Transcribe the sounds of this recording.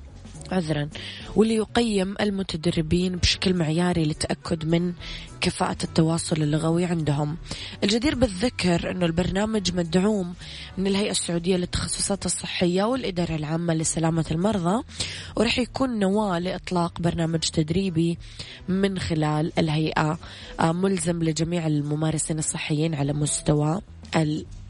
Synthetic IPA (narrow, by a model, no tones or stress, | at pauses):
ʕʊðɾˤɑnwɪlːijʊqajːɪmʔɪlmʊt̪ad̪arːɪbiːnbʃḁklmɪʕjaːɾilɪt̪ːaʔakʰːʊd̪mɪn | kafa̰ːʔat̪ːɑwɑːsˤʊlɪlːʊɣawiʕɪnd̪ɦʊmʔɪld͡ʒad̪iːɾbɪðːakːɑɾʔɪ̰nːʊlbɑɾˤnaːmad͡ʒmad̪ʕuːmː | ɪnɪlɦajʔasːʊʕuːd̪ɪjːalɪt̪ːɑ̥xɑsˤːʊ̥sˤɑːt̪ɨsˤːɨħːɪjːawɪlʔɪd̪ɑːɾˤɑlʕaːmːalɪsalaːmalmɑɾˤðˤɑwɾˤɑːħjakuːnːawaːlɪʔɨt̪ˤlɑːqbɑɾˤnaːmad͡ʒt̪ad̪ɾiːbi | mɪnxɪlaːlɪlɦajʔa | mʊlzamlɪd͡ʒamiːʕɪlmʊmaːɾˤɑsiːnɨsˤːɨħːɪjːiːnʕalamʊst̪awa | ʔɪ